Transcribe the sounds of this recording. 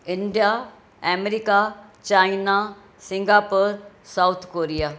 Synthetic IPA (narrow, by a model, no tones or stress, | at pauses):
ɪɳɖija | ɛmeɾikat͡ɕaːina | sɪ̃ŋɡaːpoɾ | saʊt̪ʰkoːɾija